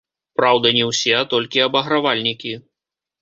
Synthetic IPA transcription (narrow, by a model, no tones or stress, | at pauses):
pɾawd̪ɐnʲɛwsʲɛt̪ɔlʲkʲiɐbɐɣɾavalʲnʲikʲi